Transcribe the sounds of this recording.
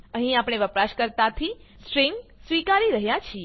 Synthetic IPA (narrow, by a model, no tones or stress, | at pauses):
ə̃ɦĩapɳ̃eʋəpɾaʃkəɾt̪at̪ʰi | sɾĩŋɡsʋikaɾiɾəɦjat͡ʃʰie